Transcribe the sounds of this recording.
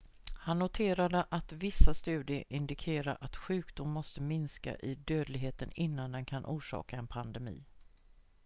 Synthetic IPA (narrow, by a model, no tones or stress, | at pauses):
hanːʊt̪ʰeːɾad̪əʔat̪vɪsːast̪ʉ̟ːd̪ɪəɾʔɪnd̪ɪkʰeːɾaɾʔat̪ɧʉ̟ːkd̪ʊmːɔst̪əmɪnska̰ʔɪd̪øːd̪lɪɡɦeːt̪ənɪnːand̪ɛnkʰanʔuːʂɑ̰ːkaɛnpʰand̪ɛmḭː